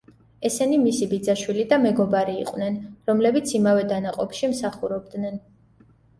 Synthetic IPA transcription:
ɛsɛnimisibid̪zaʃwilid̪amɛɡɔbaɾḭːqʼwnɛnɾɔmlɛbit̪sʰimavɛd̪anaqʼɔpʃimsaχuɾɔb̚d̪nɛn

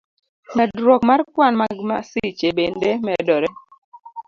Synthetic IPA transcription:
mɛdɾwɔkmarkwanmaɡmasit͡ʃebendemɛdɔɾɛ

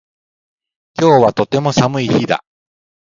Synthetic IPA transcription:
kʲo̞ːβat̪o̞t̪e̞mo̞samɯ̟içid̪a̰

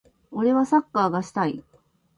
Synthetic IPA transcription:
o̞ɾe̞βasakːaːɡaɕi̥t̪ai

